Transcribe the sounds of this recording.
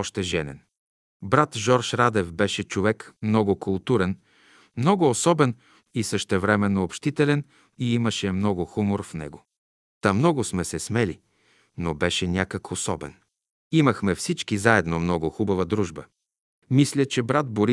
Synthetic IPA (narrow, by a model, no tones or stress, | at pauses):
ɔʃt̪ɛʒɛnɛ̰n | bɾat̪ʒɔɾʃɾad̪ɛfbɛʃɛt͡ʃovɛkmnɔɡʊkʊlˠt̪uɾɛn | mnɔɡʊːsɔbɛn | isəʃt̪ɛvɾɛmɛnːoopʃt̪it̪ɛlɛn | iiməʃɛmnɔɡʊxumoɾfnɛ̰ɡo | t̪amnɔɡʊsmɛsɛsmɛli | nobɛʃɛnʲakəkʰosɔbɛ̰n | iməxmɛfsit͡ʃkizaɛd̪nomnɔɡʊxubɐvəd̪ɾuʒbə | mislʲət͡ʃɛbɾat̪̚boɾi